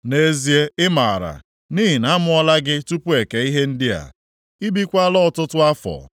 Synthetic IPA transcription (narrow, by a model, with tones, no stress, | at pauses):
ne˨˦zi˦e˦ɪ˦ma˨a˨ɾa̰˨ | ni˦ɦɪ˨na˨˦mʊ˦ɔ˦la˦ɡɪ˦tu˦pu˦e˨ke˨i˦ɦe˦n̩˦dɪ˦a̰˨ | i˦bi˦kʷa˦lɔ˦ɔ˨tʊ˦tʊ˦a˦fɔ̰˨